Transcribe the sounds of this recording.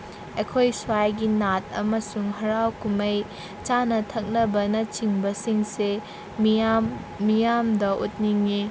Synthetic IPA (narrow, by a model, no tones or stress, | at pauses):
ekʰojswajɡinat̚ʰɐ̰mɐsuŋɦɐɾawkumej | t͡ʃanɐtʰɐk̚nɐbɐnɐt͡ʃiŋbɐsiŋse | m | mijamdɐʔut̚niŋi